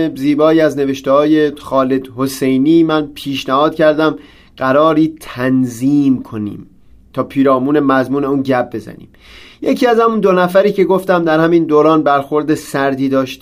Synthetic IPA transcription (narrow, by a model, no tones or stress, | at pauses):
ziːbɒːiːæzne̞ve̞ʃt̪ehɒːjexɒːle̞d̪hose̞jniːmænpʰiːʃnæhɒːd̪̥̚cʰæɾd̪æm | ɢæɾɒːɾiːt̪ʰænziːmkʰo̞nḭːm | t̪ʰɒːpʰiːɾɒːmuːne̞mæzmuːneuːnɟæb̚be̞zæ̰nḭːm | je̞cʰiːæzhæmund̪o̞næfæɾiːce̞ɡo̞ft̪æmd̪æɾhæmiːnd̪oːɾɒːnbæɾxo̞ɾd̪esæɾd̪iːd̪ɒːʃt̪